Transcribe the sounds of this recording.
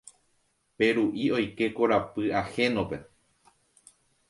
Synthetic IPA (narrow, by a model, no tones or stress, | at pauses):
pe̞ɾuʔio̞jke̞ko̞ɾapɨahe̞nõpe̞